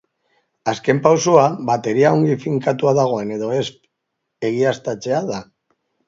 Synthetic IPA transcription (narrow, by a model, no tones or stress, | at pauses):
aske̞mpawsoaβat̪e̞ɾiao̞ŋɡifiŋkat̪uaðaɣ̞o̞e̞ne̞ðo̞e̞sp | e̞ɣ̞iast̪at͡se̞aða